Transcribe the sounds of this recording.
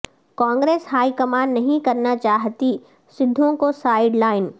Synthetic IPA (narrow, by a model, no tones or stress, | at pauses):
kãːŋɡɾeːsɦaːikɐmaːnːɐɦĩkɐɾnat͡ʃaːɦt̪i | sɪd̪ʱːõkosaːɪɖlaːɪn